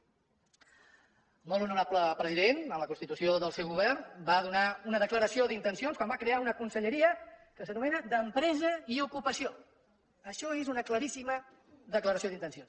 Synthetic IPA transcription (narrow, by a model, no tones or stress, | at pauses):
molunuɾapləpɾəziðenələkunst̪it̪usioðəlˠsewɣuβ̞ɛrnbaðunaunəðəkləɾəsioðint̪ənsionskwambakɾeaunəkunsəʎəɾiəkəsənumɛnəd̪əmpɾɛzəiukupəsio | əʃɔezunəkləɾisimə | ðəkləɾəsioðint̪ənsions